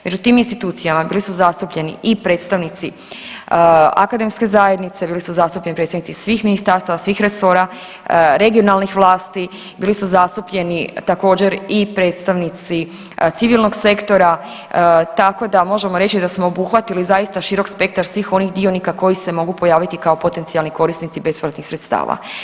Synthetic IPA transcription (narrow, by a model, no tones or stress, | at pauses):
me̞d͡ʒut̪iːminst̪it̪uːt̪sijamabiːlisuzast̪upʎe̞nḭʔipɾe̞t̪st̪aʋnit̪si | a̰kad̪e̞mske̞zaje̞d̪nit̪sebiːlisuzast̪upʎe̞nipɾesanit̪sisʋiːxminist̪aːɾst̪aʋasʋixɾe̞so̞ːɾa | ɾe̞ɡio̞nalnixʋlˠaːst̪i | biːlisuzast̪upʎe̞nit̪ako̞ːd͡ʑe̞ɾipɾe̞ːt̪st̪aʋnit̪si | t̪siʋilno̞ɡse̞kt̪o̞ɾa | t̪ako̞d̪amo̞ʒe̞mo̞ɾe̞t͡ʃid̪asmo̞obuxʋat̪ilizajist̪aʃiɾo̞kspe̞k̚t̪aɾsʋiːxo̞nixd̪io̞nikako̞jise̞mo̞ɡupo̞jaːʋit̪ikao̞po̞t̪e̞nt̪sialniko̞ɾisnit̪sibe̞spɾat̪nixsɾet̪st̪a̰ːʋa̰